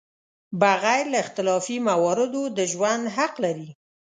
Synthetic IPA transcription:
baɣajlaɪxt̪ɪlɑfimawɑɾɪd̪od̪əʒwand̪ɦaqlaɾi

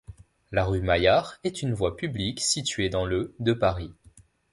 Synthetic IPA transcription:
laʁymajaʁɛt̪ynvwapybliksit̪ɥed̪ɑ̃ləd̪əpaʁi

